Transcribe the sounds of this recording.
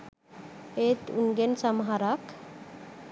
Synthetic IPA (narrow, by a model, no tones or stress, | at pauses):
et̪unɡensəmɦaɾak